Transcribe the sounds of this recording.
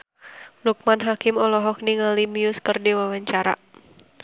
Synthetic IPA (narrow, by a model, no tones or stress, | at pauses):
luk̚manɦakɪmɔlɔɦɔk̚niŋalimiʊskərdiwawaɲt͡ʃaɾa̰